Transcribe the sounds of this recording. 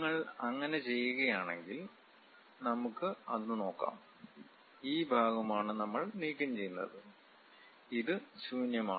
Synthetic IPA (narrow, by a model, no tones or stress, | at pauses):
ŋːɐɭɐŋːɐne̞t͡ɕe̞jːuɣɐjaːɳe̞̰ŋɡil | nɐmukːɨɐðɨnɨno̞ːkːa̰ːm | iːbʱaːɡɐmaːɳɨnɐmːɐɭniːkʲːɐmt͡ɕe̞jːunːɐ̰ðɨ | iðɨɕuːnjɐma̰ː